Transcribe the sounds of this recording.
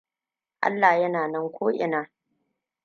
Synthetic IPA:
ʔa̰˦lːa˨jɐ˦naː˨nɐ˦ŋkʷoː˦ʔɪ̰˨naː˦

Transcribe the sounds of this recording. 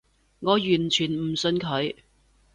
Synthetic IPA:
ŋɔː˨˧jyː˨˩nt͡ʃʰyː˨˩nm̩˨˩sɵ˧nkʰɵ˨˧ɥ

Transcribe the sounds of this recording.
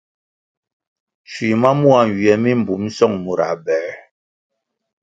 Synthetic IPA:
t͡ʃwi˨ma˦mu˦a˨wi˨ɛ˨˦mi˦m̩˨bu˨˦m˦sɔ˦˨ŋmu˨ɾa̰˨bɛ˨ɾ

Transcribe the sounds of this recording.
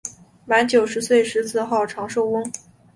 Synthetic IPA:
ma˧˥nt͡ɕjo˨˩ʊʂɻ̩˧˥swe˥˩ɪʂɻ̩˧˥t͡sʰɹ̩˥˧xɑ˥˩ʊʈ͡ʂʰɑ˧˥ŋʂo˥˧ʊwə˥ŋ

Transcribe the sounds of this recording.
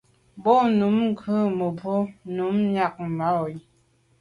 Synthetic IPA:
bɔ˦nu˨˦mŋ˦kʰə˦mə˨po˦nu˨˦mɲa˦˨k̚ma˨˦˨i˨

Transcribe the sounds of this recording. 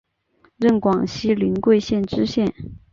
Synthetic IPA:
ɻə˥˩nkwɑ˨˩ŋɕi˥li˧˥nkwe˥˧ɪɕjɛ˥˩nʈ͡ʂɻ̩˥ɕjɛ˥˩n

